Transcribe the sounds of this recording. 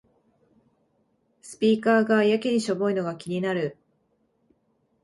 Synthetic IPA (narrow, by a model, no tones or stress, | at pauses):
sɨ̥pʲiːkaːɡajakʲiɲ̟iɕo̞bo̞ino̞ɡakʲiɲ̟inaɾɯ̟